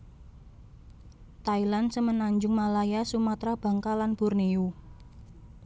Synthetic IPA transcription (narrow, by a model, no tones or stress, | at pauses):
t̪ailansəmənaɲd͡ʒʊŋmalajasumat̪ɾab̥a̤ŋkalanb̥ʊ̤rniu